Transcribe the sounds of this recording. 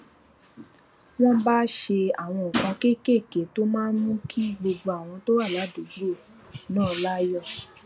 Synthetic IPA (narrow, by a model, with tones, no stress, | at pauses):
w̃ɔ̃˦ba˦ʃe˧a˨w̃ɔ̃˧o˨kã˧ke˦˨ke˦˨ke˨˦to˦mãː˦n˦nũ˦kʰi˦ɡ͡bo˧ɡ͡bo˧a˨w̃ɔ̃˧to˦wa˦˨la˨˦du˨˦ɡ͡bo˦˨ | nãː˦˧la˦jɔ˦˨